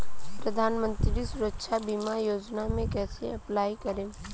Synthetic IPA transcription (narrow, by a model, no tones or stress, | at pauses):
pɾɐd̪ʱaːnmə̃nt̪ɾɾisʊɾəkʃʰabiːmajoːd͡ʒnamẽkɛːseɐplaːikɐɾẽː